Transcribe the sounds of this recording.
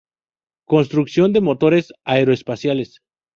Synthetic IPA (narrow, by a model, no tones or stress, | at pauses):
ko̞nst̪ɾuksjo̞nd̪e̞mo̞t̪o̞ɾe̞saeɾoespasjale̞s